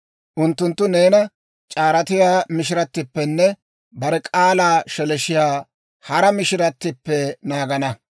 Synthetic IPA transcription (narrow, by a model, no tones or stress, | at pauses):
ʔʊnt̪ːʊnt̪ːʊne̞ːnɐ | t͡ʃʼaːɾɐt̪ɪjaːmɪʃɪɾɐt̪ːɪpːɛnːɛ | bɐɾɛkʼaːlaːʃɛlɛʃɪjaː | hɐɾɐmɪʃɪɾɐt̪ːɪpːɛnaːɡɐnɐ